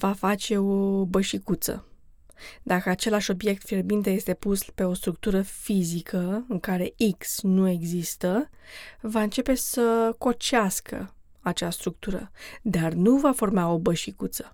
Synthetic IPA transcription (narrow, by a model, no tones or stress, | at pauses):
vafat͡ʃe̞o̞bəʃikut̪sə̰ | d̪akəat͡ʃe̞laʃʲo̞bje̞k̚t̪firbint̪eje̞st̪e̞puspe̞o̞st̪ɾuk̚t̪uɾəfizikʰəɨŋkaɾe̞iksnue̞ɡzist̪ə | vaɨnt͡ʃe̞pe̞səko̞t͡ʃeaskʰə̰ | at͡ʃast̪ɾuk̚t̪uɾə̰d̪arnuvafo̞rmao̞bəʃikut̪sə̥